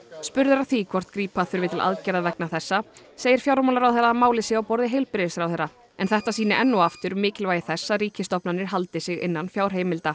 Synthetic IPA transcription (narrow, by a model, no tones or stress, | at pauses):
spʏɾðʏɾaθvikʰɔr̥t̪kɾiːpaθʏɾvɪt̪ʰɪlʔa̰ðcɛɾðavɛknaθɛsːa | seːjɪɾ̥fjawɾmawlaɾawθɛɾːamaːwlɪsɪːawpɔɾðɪɦejlpɾɪɪsɾawθɛːɾːa | ɛnθɛht̪as̬iːnɪʔɛnːɔaft̪ʏɾmɪːcɪlvaːjɪθɛsːaɾiːcɪst̪ɔpnanːɪɾ̥ɦalt̪ɪsɪɣɪ̰nːanfjaːwɾ̥ɦeːjmɪlt̪a